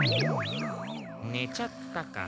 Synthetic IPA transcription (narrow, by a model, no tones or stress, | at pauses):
net͡ʃat̪ːaka̰